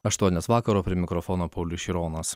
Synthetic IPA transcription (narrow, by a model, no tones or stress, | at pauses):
ɐʃt̪uɔnʲeːsʋɑːkɐɾoːpʲɾʲiɛmʲɪkɾɔfɔːnoːpɐʊlʲʊʃʲɪɾoːnɐs